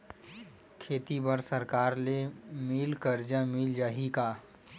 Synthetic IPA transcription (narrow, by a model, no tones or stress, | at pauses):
kʰeːt̪ibəɾsəɾkaːɾlemɪlkəɾd͡ʒə̃mɪld͡ʒaːɦikaː